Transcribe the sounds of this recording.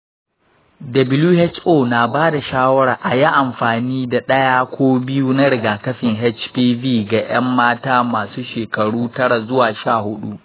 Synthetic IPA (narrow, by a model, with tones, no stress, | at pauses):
dɐ˨bɪ˦luː˦hɛ˦t͡ʃʔoː˦na˨baː˦da˨ʃaː˦wɐ˦ɽaː˨ʔa˨ji˦ʔa˨mɸaː˨niː˦da˨ɗɐ˦jaː˦kʷʰoː˦bɪ˦ju˦na˦ɽɪ˨ɡaː˨kɐ˦ɸɪ˨ŋɦɛ˦t͡ʃpiː˦viː˦˨ɡa˨j̰ɐ˦mːaː˦taː˦maː˨suː˦ʃeː˨kɐ˨ɽuː˦tɐ˦ɽa˨zʊ˦waː˨ʃaː˦˨hʊ˦ɗu˦ʔ